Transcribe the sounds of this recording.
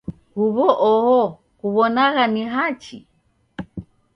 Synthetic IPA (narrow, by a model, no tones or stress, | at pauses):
huβɔʔɔhɔ | kuβɔnaɣaniɦat͡ʃḭ